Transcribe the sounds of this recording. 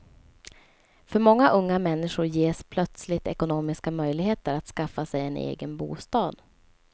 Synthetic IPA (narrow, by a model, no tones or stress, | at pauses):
fœɾmɔŋːaʔɵŋːamɛnːɪʂʊɾjeːʂpʰlœt̪slɪt̪ɛ̰kʊnoːmɪskamœjlɪɡɦeːt̪əɾat̪skafːasɛjɛnḛːɡənbṵːst̪ɑːd̪